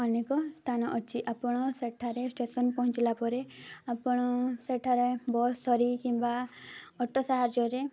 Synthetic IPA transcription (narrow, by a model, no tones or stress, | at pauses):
ɔnekɔst̪ʰanɔʔɔt͡ʃʰiʔapɔɽ̃ɔseʈʰaɾesʈesɔnpɔɦɔ̃t͡ʃlapɔɾeapɔɽ̃ɔseʈʰaɾebɔːt̪sɔɾikĩmbaɔʈɔsaɦaɾd͡ʒɔɾe